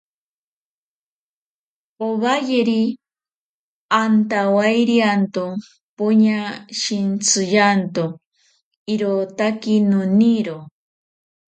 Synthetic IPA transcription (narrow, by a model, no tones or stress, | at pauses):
oβajeɾi | ant̪awajɾiant̪o | puɲaʃint͡sʰɨjant̪o | iɾot̪akinoniɾo